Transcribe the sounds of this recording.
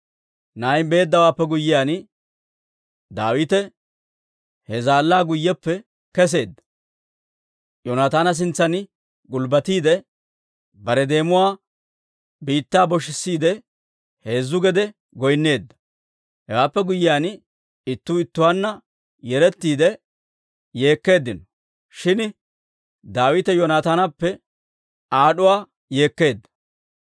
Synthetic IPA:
najbe̞ːd̪ːɐwaːpːɛɡʊjːɪjaːn | d̪aːwɪt̪ɛ | hɛzaːlːaːɡʊjːɛpːɛ | kɛs̬e̞ːd̪ːɐ̥ | jonat̪aːnɐs̬ɪnt͡sːɐn | ɡʊlbɐt̪iːd̪ɛ | bɐɾɛd̪e̞ːmʊwaː | biːt̪ːaːbɔʃɪsːiːd̪ɛ | he̞ːzːʊɡɛd̪ɛ | ɡɔjnːe̞ːd̪ːɐ̥ | hɛwaːpːɛɡʊjɪjaːn | ɪt̪ːuːɪt̪ːʊwaːnːɐ | jɛɾɛt̪ːiːd̪ɛ | je̞ːkːe̞ːd̪ːɪnɔ | ʃɪn | d̪aːwɪt̪ɛjɔnaːt̪aːnɐpːɛ | aːɗʊwaː | je̞ːkːe̞ːd̪ːɐ̥

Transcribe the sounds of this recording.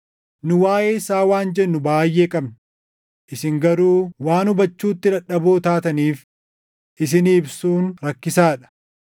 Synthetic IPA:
nʊwaːʔe̞ːɪsaːwaːnd͡ʒɛnːʊbaːjːe̞ːkʼɐbnɐ | ʔɪsɪŋɡɐɾuːwaːnʊbɐt͡ʃːuːt̪ːɪɾɐᶑɐboːt̪aːt̪ɐniːf | ʔɪs̬ɪniːbsuːnɾɐkːɪsaːᶑɐ̥

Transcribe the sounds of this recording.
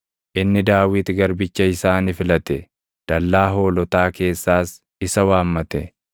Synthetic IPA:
ʔɪnːɪd̪aːwɪt̪ɪɡɐɾbɪt͡ʃːɐɪsaːnɪfɪlɐt̪ɛ | d̪̥ɐlːaːɦo̞ːlɔt̪aːke̞ːsːaːs | ɪsɐwaːmːɐt̪ɛ

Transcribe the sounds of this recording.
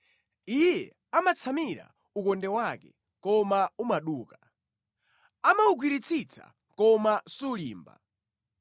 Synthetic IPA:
ijjɛ̰ | amat͡sʰamiɾa̰ | ukɔndɛwakɛ | kɔmaumaɗuːka | amauɡwiɾit͡sʰit͡sʰa̰ | kɔmasulḭːmba̰

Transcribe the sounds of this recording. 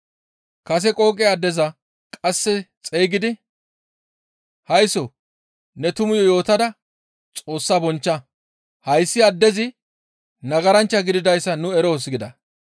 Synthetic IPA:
kɐs̬ɛkʼo̞ːkʼɪɐd̪ːɛzɐ | kʼɐsːɛt͡sʼejɡɪd̪ɪ | hɐjsɔ | nɛt̪ʊmʊjɔjo̞ːt̪ɐd̪ɐ | t͡sʼo̞ːsːaːbɔnt͡ʃːɐ | hɐjsːɪɐd̪ːɛzɪ | nɐɡɐɾɐnt͡ʃːɐɡɪd̪ɪd̪ɐjsːɐnʊɛɾoːs̬ɪɡɪd̪ɐ

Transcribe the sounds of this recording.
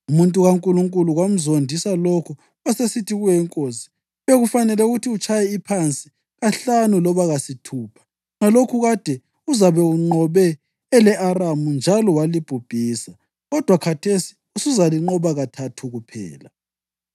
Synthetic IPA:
umuntʼuɣaŋkʼuluŋkʼuluɣwam̩zondʱisalokʰu | asesitʰiɣujɛŋkʼosi̥ | βeɣufanɛlɛuɣutʰiut͡ʃʰʼajɛipʰant͡sʼi | ɣaɬanulɔβaɣasitʰuːpʰḁ | ŋalokʰuɣad̥ʱɛ | uzaβɛuŋ͡ǃɔβɛː | lɛʔaramund͡ʒʱalɔwalib̥ʱub̥ʱiːsa | ɣɔd̥ʱwakʰatʰesi̥ | usuzaliŋ͡ǃɔβaɣatʰatʰuɣupʰɛ̰ːla

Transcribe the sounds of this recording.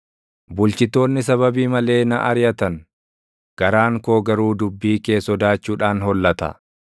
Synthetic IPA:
bʊlt͡ʃɪt̪ːo̞ːnːɪs̬ɐβɐbiːmɐle̞ːnɐʔɐɾjɐt̪ɐn | ɡ̥ɐɾaːŋkoːɡɐɾuːd̪ʊbːiːke̞ːsɔd̪aːt͡ʃːuːᶑaːnɦɔlːɐt̪ɐ̰

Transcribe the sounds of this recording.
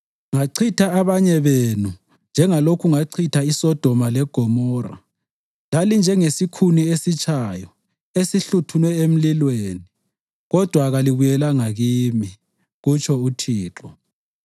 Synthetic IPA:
ŋaǀʰitʰaaβaɲɛβenu | nd͡ʒʱɛŋalokʰuŋaǀʰitʰaisɔd̥ʱɔmalɛɡ̥ʱɔmɔːra̰ | lalind͡ʒʱɛŋesikʰuniesit͡ʃʼʰajɔ | esiɬutʰunwɛem̩lilweːni | ɣɔd̥ʱwaɣaliβujɛlaŋaɣiːmi | ɣut͡ʃʰʼɔutʰiːǁɔ

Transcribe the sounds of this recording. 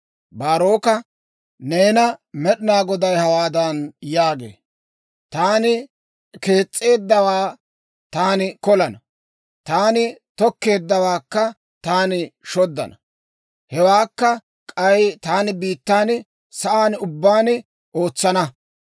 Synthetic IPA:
baːɾo̞ːkɐ | ne̞ːnɐmɛɗɪnaːɡɔd̪ɐjhɐwaːd̪ɐnjaːɡḛː | t̪aːnɪ | ke̞ːt͡sʼːe̞ːd̪ːɐwaː | t̪aːnɪkɔlɐnɐ | t̪aːnɪt̪ɔkːe̞ːd̪ːɐwaːkːɐ | t̪aːnɪʃɔd̪ːɐ̰nɐ | hɛwaːkːɐ | kʼɐjt̪aːnɪbiːt̪ːaːnɪ | sɐʔaːnʊbːaːnɪ | ʔo̞ːt͡sːɐnɐ

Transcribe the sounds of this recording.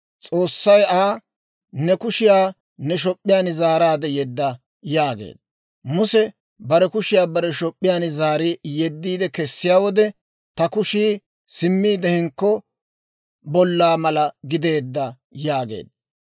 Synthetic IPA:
t͡sʼo̞ːsːɐjaː | nɛkʊʃɪjaː | nɛʃ̬ɔpʼːɪjaːnɪzaːɾaːd̪ɛjɛd̪ːɐ | jaːɡḛːd̪ɐ | mʊsɛ | bɐɾɛkʊʃɪjaːbɐɾɛʃɔpʼːɪjaːnɪzaːɾɪjɛd̪ːiːd̪ɛkɛsːɪjaːwɔd̪ɛ | t̪ɐkʊʃiː | sɪmːiːd̪ɛhɪŋkːɔ | bɔlːaːmɐlɐɡɪd̪e̞ːd̪ːɐ | jaːɡḛːd̪ɐ

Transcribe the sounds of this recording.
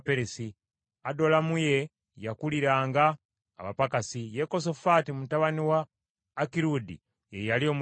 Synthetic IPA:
peɾesi | ado̞lamuje̞ | jakuliɾaːŋɡaː | βa̰pakasije̞ko̞s̬o̞fatimtaβaniwaː | kiɾudḭ | jejalio̞m

